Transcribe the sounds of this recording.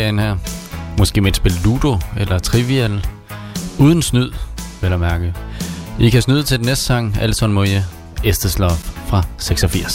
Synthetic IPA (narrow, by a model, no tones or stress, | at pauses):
enhæɐ̰mɒ̽sɡ̥e̝̰ːmeːd̥sb̥e̝llud̥o̝elɐt͡sʰʁiʋiel | uːð̞ˠn̩snyð̰ˠelɐmæɐɡ̥əð̩ˠʔikʰæsnyð̞̰ˠt͡sʰe̝ld̥nesd̥sɑ̈ŋ̰ælsɒnmojə | esd̥əslɒffʁɑ̈seɡ̥sɒ̽fiɐ̰s